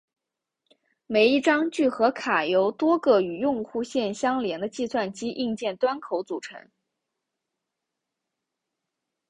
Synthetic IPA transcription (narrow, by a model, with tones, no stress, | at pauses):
me˨˩ɪi˥˩ʈ͡ʂɑ˥ŋt͡ɕy˥˩xɤ˧˥kʰa˨˩jo˧˥ʊt̪wɔ˥ɡɤ˥˩y˨˩jʊ˥˧ŋxu˥˧ɕjɛ˥˩nɕjɑ˥ŋljɛ˧˥ŋd̪ə˧t͡ɕi˥˧swa˥˩nt͡ɕi˥ʔi˥˧ŋt͡ɕjɛ˥˩nt̪wa˥nkʰo˧˥ʊt͡su˨˩ʈ͡ʂʰɤ̰˧˥ŋ